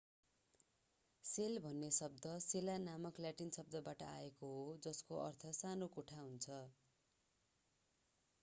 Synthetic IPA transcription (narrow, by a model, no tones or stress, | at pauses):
selbʱʌnːesʌb̚d̪ʌselanamʌkljaʈinsʌb̚d̪ʌbaʈʌ̰a̰ekoɦod͡zʌskoʔʌ̰rt̪ʰʌsanokoʈʰaɦunt͡sʰʌ